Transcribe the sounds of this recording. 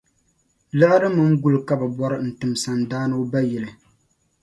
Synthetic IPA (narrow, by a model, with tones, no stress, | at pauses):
la˦ɾɨ˦mɨ˦ŋ̩˦ɡu˦lka˦bɛ˨bɔ˦ɾɨ˦n̩˨tɨ˨msa˨ndaː˦nɨ˦ba˦jɛ˨lɨ˨